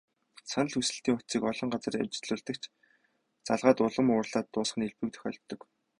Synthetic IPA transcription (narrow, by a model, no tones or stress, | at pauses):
sanə̆ɮxusɘ̆ɬt̪iːŋʊt̪t͡siːkɔɮɞ̆ɴɢat͡sə̆ria̰mt͡ɕɪ̥̆ɮʊːɮt̪ə̆kt͡ɕ | t͡saɮʁaːt̪ʊɮə̆mʊːrɮaːt̪ːʊːsχə̆neɮpɘ̆k̚t̪ʰœ̥xʲœ̰ɮt̪ːɞ̆k